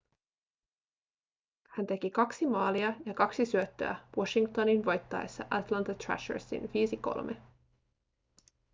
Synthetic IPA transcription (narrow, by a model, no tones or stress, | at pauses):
hænt̪e̞k̟ikɑksimɑːliɑjɑkɑksisyøt̪ːø̰æ̰woʃiŋkt̪oninʋo̞jt̪ːɑḛsːɑ̰ʔɑt̪lɑnt̪ɑt̪ɹæ̰ʃə̰ɹsḭnʋiːsiko̞̰lmʔḛ